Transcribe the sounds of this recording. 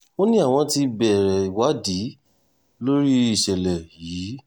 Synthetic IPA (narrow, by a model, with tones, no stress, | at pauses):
o˦nĩ˦a˦˨w̃ɔ̃˧ti˧bɛ˨ɾɛ˨i˨wa˨˦di˨˦ | lo˦ɾi˦i˨ʃɛ˨lɛ˨jiː˨˦